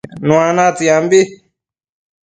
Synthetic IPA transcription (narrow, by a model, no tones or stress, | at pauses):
nũanat͡sijambi